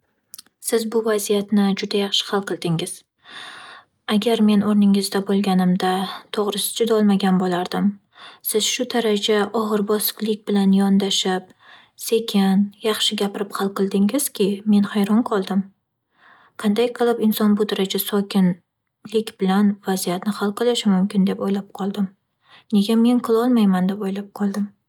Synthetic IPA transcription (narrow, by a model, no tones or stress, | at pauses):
sɪzbʊvazijat̪nɪd͡ʒʊd̪ajɑχʃɪ̥χɑlˠqʰɨlˠd̪ɪŋɪz̥ | aɡʲaɾme̞noɾnɪŋɪzd̪abolˠɡʲanɪmd̪at̪ʰoʁɾɪsɪ̥d͡ʒʊd̪ɒlˠmaɡʲanbolaɾd̪ɪm | sɪz̥ʃʊd̪aɾad͡ʒaʔɒʁɨɾbɒsɨ̥klˠɪkʲbɪlanjɒnd̪aʃɪp̚ | se̞kʲʰɪnjɑχʃɪɡʲapɪɾɪpχɑlˠqɨlˠd̪ɪŋɪz̥kʲʰɪme̞nhajɾɒnqʰɒlˠd̪ɪm | qʰɑnd̪ajqʰɨlˠɪpɪnsɒnbʊd̪aɾad͡ʒasɒkʲɪn | lɪkʲbɪlanvazijat̪nɪχɑlˠqʰɨlˠɪʃɪmʊmkʲɪnd̪e̞pojlap̚qʰɒlˠd̪ɪm | ne̞ɡʲame̞nqʰɨlˠɒlˠmajmand̪e̞pojlap̚qʰɒlˠd̪ɪm